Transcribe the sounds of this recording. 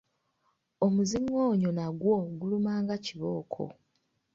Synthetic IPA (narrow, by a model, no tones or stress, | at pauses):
omuzimoːɲo̞naɡwoɡulumaːŋɡaciβo̞ːkʰo̞̰